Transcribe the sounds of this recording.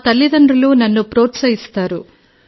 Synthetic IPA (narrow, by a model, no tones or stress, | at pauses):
t̪ɐlːid̪ɐɳɖɐlunɐnːupɾoːt̪sɐjist̪aːɾu